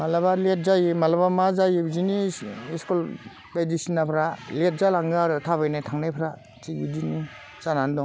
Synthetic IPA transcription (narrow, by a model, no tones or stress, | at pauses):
malabalet̚zajimalabamazajibziniskul | bajdisinːapʰɾalet̚zalaŋɡɾɯtʰaβajnajtʰaŋnajpʰɾa | t͡ʃiɡidini | t͡ʃanandɔŋ